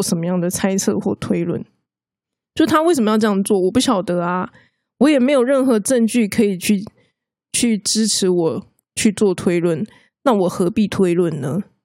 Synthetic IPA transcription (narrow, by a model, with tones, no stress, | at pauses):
ʂə˧˥nmə˦jɑ˥˩ŋd̪ə˩t͡sʰa˥ɪt͡sʰɤ̰˥˧xwɔ˥˩t̪ʰwe˥ɪlwə̰˥˨˩n | jo˥˩ʊʂɻ̩˥˩t̪ʰa˥wsʂə˨˩məjɑ˥˧ʊʈ͡ʂɤ˧jɑ˥˧ŋ˩t͡swɔ˥˩wɔ˨˩pu˥˩ɕjɑ˨˩ʊt̪ɤ˧˥ɐ˧ | wɔ˧˥jɛ˨˩me˧˥ɪjo˨˩ʊɻə˥˩nxɤ˧˦ʈ͡ʂə˥˧ŋt͡ɕy˥˩kʰɤ˧˥i˨˩t͡ɕʰy˥˩ | t͡ɕʰy˥˩ʈ͡ʂɻ̩˥ʈ͡ʂʰɻ̩˨˧˥wɔ˨˩ | t͡ɕʰy˥˧t͡swɔ˥˨t̪ʰwe˥ɪlwə˥˩n | na˥˩wɔ˨˩xɤ˧˥pi˥˩t̪ʰwe˥ɪlwə˥˩nnə˦